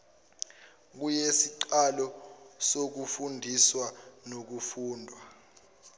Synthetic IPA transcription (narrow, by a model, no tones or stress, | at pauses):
k̬ujesiǃalɔsok̬ufundʱiswanok̬ufuːndʱwa